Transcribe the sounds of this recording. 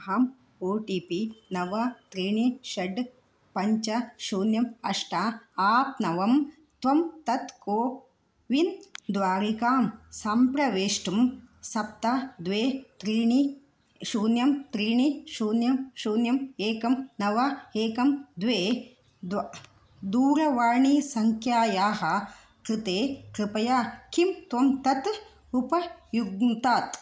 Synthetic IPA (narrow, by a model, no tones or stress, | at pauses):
ɦam | oːʈipinɐʋɐt̪ɾiːɳiʃɐɖ | pɐɲt͡ʃɐʃuːnjɐmɐʂʈaaːt̚nɐʋɐm | t̪ʋɐmt̪ɐt̪koː | ʋind̪ʋaːɾikaːmsampɾɐʋeːʂʈumsɐp̚t̪ad̪ʋeːt̪ɾiːɳi | ʃuːnjɐmt̪ɾiːɳiʃuːnjɐmʃuːnjɐmeːkɐmnɐʋaeːkɐmd̪ʋeː | d̪ | d̪uːɾɐʋaːɳiːsɐŋkʰjaːjaːɦɐ̆ | kɾɨt̪eːkɾɪpɐjaːkimt̪ʋɐmt̪ɐt̪ | upɐjuɡnt̪aːt̪